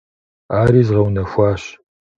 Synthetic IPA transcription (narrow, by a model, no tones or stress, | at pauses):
aːɾiːzʁɐwnɐfʷɑːɕ